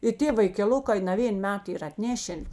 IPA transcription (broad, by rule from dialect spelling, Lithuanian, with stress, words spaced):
ɪ ˈtʲeː ʋɐɪkʲɛˈlˠʊkɐɪ nɐˈʋʲeːn ˈmʲɛt ˈiːr ɪr ɐtʲˈnʲæːʃʲɛn